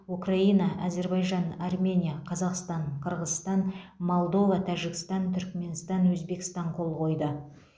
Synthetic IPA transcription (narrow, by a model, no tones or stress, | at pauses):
ukraijnɑʔaze̞ɾbɑjʒɑnɑrmʲe̞nʲijaqʰɑzɑqst̪ɑɴqʰəɾʁəzst̪ɑnmo̞lˠd̪o̞vɑt̪ʰæʒɪkst̪ɑnt̪ʰʏɾkme̞nst̪ɑnwɵzbe̞kʲɪst̪ɑɴqʰo̞lˠqo̞jd̪ə